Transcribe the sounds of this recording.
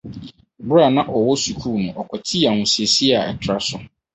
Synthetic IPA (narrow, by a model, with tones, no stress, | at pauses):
bɾa˨nã˦ʔɔ˨wɔ˦su˨kʰuː˦˨nʊ̃˨ʔɔ˨kʷʰɔ˨tʰi˦a˨ŋũ˨si˨e˨si˦a˨ɛ̰˨tʰɾa˦sʊ˨